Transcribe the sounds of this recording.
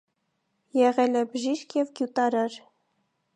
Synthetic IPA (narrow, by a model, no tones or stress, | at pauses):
jɛʁɛlɛbəʒiʃkʰjɛvɡjut̪ɑɾɑɾ